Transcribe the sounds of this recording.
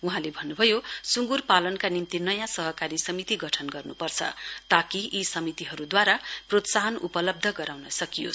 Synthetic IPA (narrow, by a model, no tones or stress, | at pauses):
uɦãlebʱʌnːubʱʌjosuŋɡurpalʌnkanimt̪inʌjãsʌɦʌkaɾisʌmit̪iɡʌʈʰʌnɡʌrnupʌrt͡sʰʌ̰t̪akiisʌmit̪iɦʌɾud̪waɾaprot̪saɦʌnupʌlʌb̚d̪ʱʌɡʌɾawnʌsʌkijo̰s